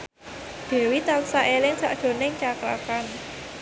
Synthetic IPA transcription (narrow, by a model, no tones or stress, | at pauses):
d̪̥e̤wit̪ansaʔelɪŋsa̰ʔdʒ̥o̤nɪŋt͡ʃakɾa̰kan